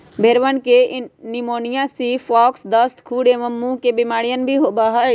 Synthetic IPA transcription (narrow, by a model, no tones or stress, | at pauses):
bʱeːɾʋənkenɪmoːnijãsifaːksd̪əst̪kʰuːɽeməmːũkebɪmaːɽijənbʱiɦoːbaɦə